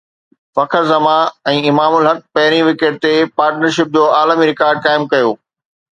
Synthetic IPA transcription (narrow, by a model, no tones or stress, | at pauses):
fɐkʰəɾzɐmãɛ̃ːɪmaːmʊlɦɐk̚pɐɦɪɾ̃iʋɪkeːʈ̚t̪epaːɾʈnəɾʃɪp̚d͡ʑoːaːləmiɾɪkaːɾɖ̚kaːɪmkɐjoː